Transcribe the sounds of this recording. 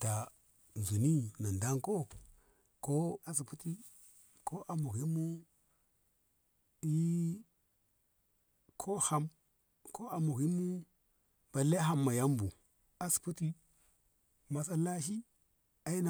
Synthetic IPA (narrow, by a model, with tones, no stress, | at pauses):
ta˨ | n˨zu˨ni˦na˨nda˦ŋko˦ | ko˦a˨s̬i˨pu˦ti˦ | ko˦ʔa˨mu˨ɣi˦mu˦ | i˦ | kʰo˦ha˦m | kʰo˦a˨mu˨ɣi˦mu˦ | ba˨le˦ɦa˦mːa˨ja˦mbu˨ | a˦su̥˨pu˦ti˦ | ma˨s̬a˦la˦ʃ̬i˦ | a˦ji˦na˨